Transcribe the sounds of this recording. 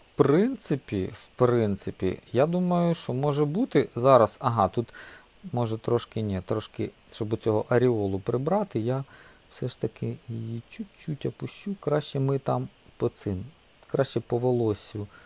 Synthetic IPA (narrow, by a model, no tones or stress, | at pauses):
pɾɪnt̪sɪpʲiwpɾɪnt̪sɪpʲḭjad̪umɐjʊʃt͡ʃɔmɔʒɛbut̪ɪzɑɾɐsɐɦɑt̪ut̪ | mɔʒɛt̪ɾɔʃkɪnʲɛt̪ɾɔʃkɪ | ʃt͡ʃɔbʊt͡sʲɔɦɔʔɐɾʲiɔlˠʊpɾɪbɾɑt̪ɪja | wsɛʃt̪ɐkɪjijit͡ʃut͡ʃːutʲɐpʊʃt͡ʃukɾɑʃt͡ʃɛmɪt̪ɑmpɔt̪sɪm | kɾɑʃt͡ʃɛpɔʋɔlˠɔsʲʊ